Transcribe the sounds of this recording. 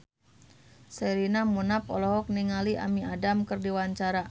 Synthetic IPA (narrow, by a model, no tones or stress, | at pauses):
sɛɾinamunap̚ɔ̰lɔɦɔk̚niŋaliʔa̰miadamkɨrdiwaɲt͡ʃaɾa